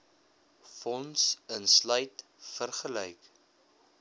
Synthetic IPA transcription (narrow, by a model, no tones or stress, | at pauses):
fɔnsənslœjt | fərχəlɛjk